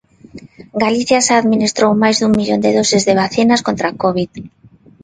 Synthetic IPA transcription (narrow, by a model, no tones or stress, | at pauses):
ɡaliθjasaːðminist̪ɾowmajzðuŋmiʎond̪eðosezðeβ̞aθenaskont̪ɾakoβið